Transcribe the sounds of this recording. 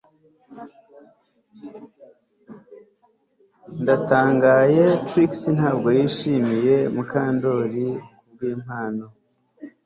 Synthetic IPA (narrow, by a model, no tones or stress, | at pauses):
ndataːŋɡaje̞tɾiksinhaːb̚ɡo̞jiːʃiːmije̞mukaːndo̞ɾikubɡiːm̥haːno̞